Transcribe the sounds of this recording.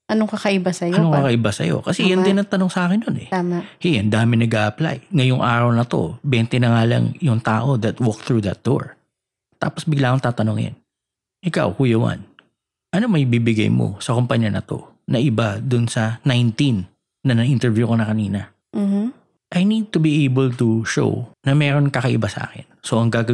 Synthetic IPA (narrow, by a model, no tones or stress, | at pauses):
ʔɐnoŋkɐkɐʔɪbasɐjɐnoŋkkɐkɐʔɪbasɐ̰jo̞̰kɐsɛjanɪnɐŋt̪ɐnoŋsɐʔaːkɪnːonɛ̰t̪aːmahiɐnd̪aːmɪnɐɡaːʔɐpla̰jŋɐjoŋʔaːɾɐwnɐt̪o̞̰bɛnt̪ɛnɐŋaːlɐ̰ŋjʊŋt̪aːʔo̞d̪ɐt̪wɔk̚t̪ɹud̪ɐ̰t̪̚d̪̥o̰ɹ | t̪a̰ːposbɪɡlaːkoŋt̪aːt̪ɐnoŋɪ̰n | ʔɪka̰wkuːjɐwɐ̰n | ʔɐnomɐibibɪɡa̰jmo̰sɐkompɐɲːɐnɐ̰t̪o̞̰ | nɐʔɪbad̪ʊnsɐnajnt̪inː | ɐnɐʔint̪ɛɹvjukonɐkɐniːnɐ | ʔɐjnid̪̚t̪ʊbiʔejbɛlt̪uʃo̰wnɐmɛːɾo̞nkɐkɐʔɪbasɐʔa̰ːkɪnso̞ʔɐŋɡaːɡɐ